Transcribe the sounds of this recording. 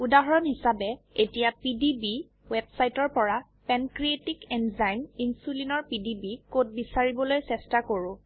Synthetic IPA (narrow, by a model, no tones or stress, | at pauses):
udaɦɔɹɔnhisabɛ | etijapidibi | wɛbsajtɔɹpɔɹa | pɛnkɹietikɛnzajninsulinɔɹpidibikot̚bisaɹibɔlojsɛstakoɹʊ̃